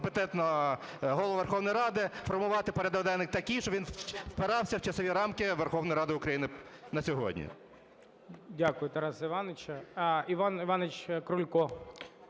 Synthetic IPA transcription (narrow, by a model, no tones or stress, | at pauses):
pet̪ɛt̪nɐ | ɦɔlˠʋʊʋerxɔwnɔjɾɑd̪ɪfɔrmʊʋɑt̪ɪpɔɾʲɐd̪ɔʋd̪ɛlnɪk̚t̪ɐkʲijʃt͡ʃɔʋinwpeɾɑwsʲɐwt͡ʃɐsɪʋʲiɾɑmkɪʋerxɔwnɔjɾɑd̪ɪʊkɾɐjinɪnɐsʲɔɦɔ̰dʲnʲḭ | dʲakʊjʊt̪ɛɾɑsɪʋɑnet͡ʃɐiʋɑnɪʋɑnet͡ʃʲkɾʊlʲkɔ